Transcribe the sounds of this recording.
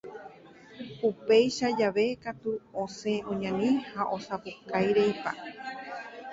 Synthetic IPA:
upejʃad͡ʒaʋe̞kat̪uõsẽʔõɲãnĩhaʔo̞sapukajɾe̞jpa̰

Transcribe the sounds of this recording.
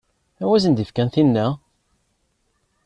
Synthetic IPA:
æwæzənd̪ifkænθinːæ

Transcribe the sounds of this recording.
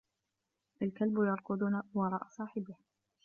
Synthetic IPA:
ʔalkalbʊjɑɾˤqʊd̪ˤuːnawɑɾˤɑ̰ːʔsˤɑːħɪbɪh

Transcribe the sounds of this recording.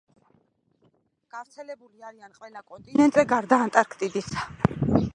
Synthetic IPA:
ɡ̥avɾt̪sʰɛlɛbuliaɾianqʼwɛlakʼɔnt̪ʼinɛnt̪ʼzɛɡaɾd̪aːnt̪ʼaɾkʰt̪ʼid̪isḁ

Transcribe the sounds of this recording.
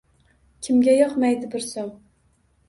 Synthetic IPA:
kʲʰɪmɡʲajɒqmajd̪ɪbɪɾsom

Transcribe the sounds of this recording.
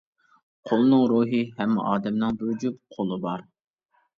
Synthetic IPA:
qʰolˠnɨŋɾuːɦɨɦɛmːɪ̰ʔɑːd̪ɛmnɨŋbd͡ʒupqʰolˠɨbɑɾ

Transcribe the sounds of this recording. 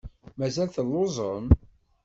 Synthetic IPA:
mæzælθəlːozˤəm

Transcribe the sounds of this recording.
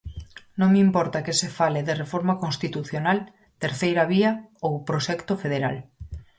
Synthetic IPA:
nõŋmimpɔɾt̪akesefaleðerefoɾmakonst̪it̪uθjonal | t̪eɾθejɾaβiaowpɾoʃɛkt̪ofeðeɾa̰l

